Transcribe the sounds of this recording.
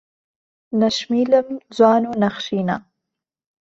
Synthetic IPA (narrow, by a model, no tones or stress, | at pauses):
naʃmiləmd͡zwɑnonaxʃina̰